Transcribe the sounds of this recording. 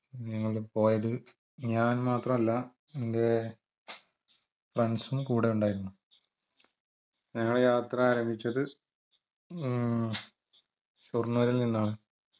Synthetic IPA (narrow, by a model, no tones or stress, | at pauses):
ɲɐŋːɐɭipo̞ːjɐðɨ | ɲaːnmaːt̪rɐmɐlːɐ | ende̞ | frɐnsumkuːɽe̞uɳɖaːjiɾunːu | ɲɐŋːɐɭejaːt̪rɐaːɾɐmbʱit͡ɕːɐðɨ | ɕurnuʋɐɾilninːaːɳɨ